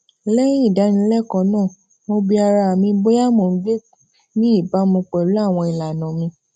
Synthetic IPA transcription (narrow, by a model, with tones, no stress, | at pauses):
lɛ̃˦ĩ˦˨da˨˦nĩ˧˦lɛ˦kɔ̃˧˦nãː˦˨ | mo˧bi˧a˧ɾa˧a˨mĩ˧bo˦ja˦mo˨n̩˧˦ɡ͡be˦˨ | nĩ˦i˦˨ba˨˦mũ˧k͡pɛ˨lu˨˦a˦˨w̃ɔ̃˧i˨la˨nã˨mĩ˧